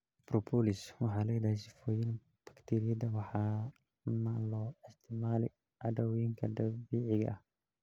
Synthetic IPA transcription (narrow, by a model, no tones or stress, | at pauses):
brɔpʰɔlɪswɑħɑːlɐjd̪ahɛsɪfɔːjɪn | bɐ̥kt̪ʰiːɾɪjɐd̪ɐwɑħɑ | maːlɔːɪst̪ʰɪmaːlɪ | ʕɑdɐwjɪŋkʰɐd̪ɐbiːʕɪɣɐ̰ʔɐh